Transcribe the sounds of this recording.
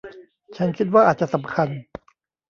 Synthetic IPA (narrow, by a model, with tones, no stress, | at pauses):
t͡ɕʰa˦˥nkʰi˦t̪̚waː˥˩ʔaː˨˩t̪̚t͡ɕa˨ʔsa˩˦mkʰa˧n